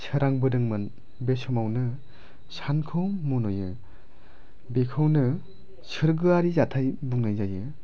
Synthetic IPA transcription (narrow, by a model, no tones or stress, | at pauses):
sʰɯɾaŋbɯdɯŋmɯn | besɔmawnɯ | sankʰɯwmunɔjɯ | bekʰɯwnɯ | sʰɯɾɡɯaɾizatʰajbuŋnajzajɯ